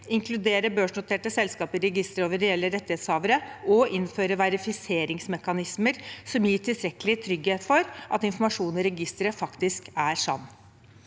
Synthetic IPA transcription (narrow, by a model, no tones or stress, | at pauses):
ɪŋkʰlʉd̪eːɾəbøːʂɳʊt̪ʰeːʈəsɛlskɑːpəɾɛɡɪst̪əɾoːʋəɾɾɛɛlːəɾɛt̪ːɪheːt̪shɑːʋəɾəʔɔʔɪnføːɾəʋæɾɪfɪseːɾɪŋsmɛkɑnɪsməɾsɔmjiːʈʰɪlst̪ɾɛkəlɪt̪ʰɾʏɡheːt̪fɔɾʔɑt̪ɪnfɔɾmɑʂuːnɔɾɛɡɪst̪əɾəfɑkt̪ɪskæɾʂɑ̰nː